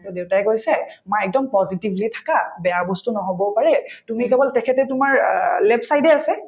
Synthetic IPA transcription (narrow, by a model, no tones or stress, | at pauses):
tɔdeʊtajkojsɛmajɛk̚dɔmpɔzitibʱlitʰḁkabɛjabɔstunɔɦobɔpaɹɛtumikɛbɔltɛkʰɛtɛtumaɹlɛpsajdɛasɛ